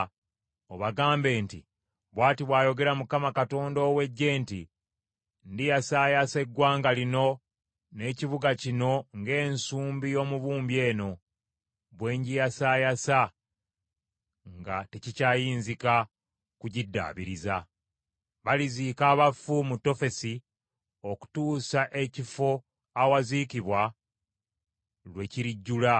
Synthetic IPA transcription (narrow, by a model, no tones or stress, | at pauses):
o̞βaɡaːmbe̞ːntḭ | βwaːtiβwaːjo̞ɡe̞ɾamukamakato̞ːndo̞ːwe̞ɟːe̞ːnti | ndijasaːjase̞ɡwaːŋɡalino̞ | ne̞ːciβuɡacino̞ŋɡe̞ːnsuːmbijo̞ːmuβuːmbje̞ːno̞ | βwe̞ːɲɟijasaːjasa | ŋɡate̞cicaːjiːnzika | kuɟidːa̰ːβiɾiza | βaliziːkaːβafːumutːo̞fe̞si | o̞ku̥tuːsaʔe̞cifo̞ | awazikiβwa | lwe̞ciɾiɟːula